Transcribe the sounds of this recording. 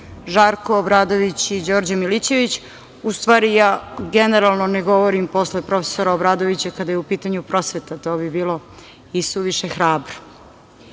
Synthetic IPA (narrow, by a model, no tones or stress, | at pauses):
ʒaːɾko̞ːbɾaːd̪o̞ʋit͡ɕid͡ʑoːɾd͡ʑamilit͡ɕe̞ʋit͡ɕ | ust̪ʋaːɾijaːɡene̞ɾalˠno̞neɡo̞ʋoɾimpo̞sle̞pɾo̞fesoɾaobɾaːd̪o̞ʋit͡ɕakad̪ajeupiːt̪aɲupɾo̞sʋe̞t̪at̪o̞ːbibiːlˠo̞ | isuʋiʃexɾaːbɾo̥